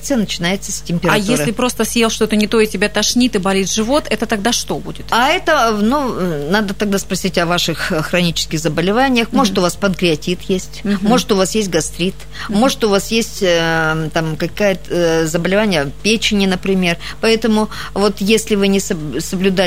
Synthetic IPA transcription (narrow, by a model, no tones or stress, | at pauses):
t̪sɨjənət͡ɕɪnajɪt̪səsʲtʲɪmʲpʲɪɾajesɾʲlʲɪpɾo̞st̪əsʲjelˠʂt̪ot̪ənʲɪt̪o̞ɪtʲɪbʲat̪ɐʂnʲit̪ɨbɐlʲit̪ʐɨvo̞t̪ɛt̪ət̪ɐɡ̚d̪aʂt̪o̞bṵdʲɪt̪aɛt̪ənunad̪ət̪ɐɡ̚d̪aspɾɐsʲitʲɐvaʂɨxxɾɐnʲit͡ɕɪ̥skʲɪxzəbəlʲɪvanʲɪjəxmo̞ʐɨt̪ʊvaspəd̪ɡɾʲɪɐtʲit̪jesʲtʲmo̞ʐɨt̪ʊvasjesʲtʲɡɐst̪ɾʲit̪ | mo̞ʐɨt̪ʊvasjesʲtʲt̪amkɐkajəzəbəlʲɪvanʲɪjəpʲet͡ɕɪnʲɪnəpɾʲɪmʲe̞r | pɐɛt̪əmʊ | vo̞t̪jesʲlʲɪvɨnʲɪsəsəblʲʊd̪a